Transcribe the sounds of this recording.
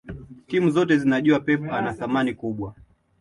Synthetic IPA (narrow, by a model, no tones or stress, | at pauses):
timuzɔtɛzinaʄuapɛpanaθamanikuɓwa